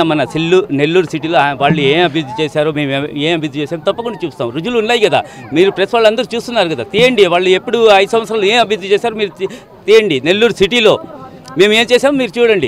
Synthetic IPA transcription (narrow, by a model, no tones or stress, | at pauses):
mɐnɐsilːune̞lːuːɾusiʈ̬ilo̞ːʋaːɭːueːmɐbʱijud̪ʱit͡ʃeːsaːɾume̞ːmeːmɐbid̪ʱit͡ʃeːsaːmut̪ɐpːɐkuɳɖɐt͡ʃuːst̪aːmɾud͡ʒulunːaːjikɐd̪a̰ː | miːɾupɾesʋaːɭːɐnd̪ɐɾut͡ʃuːst̪unːaːɾukɐd̪aːt̪iːjɐɳɖiʋaːɭːuepːuɽuɐjsɐmɐt̪sɾaːlueːmɐbʱijud̪ʱit͡ʃeːsaːɾumiːɾu | t̪iːjɐɳɖine̞lːuːɾusiʈilo̞ː | me̞ːme̞ːmt͡ʃeːsaːmumiːɾut͡ʃuːɽɐɳɖi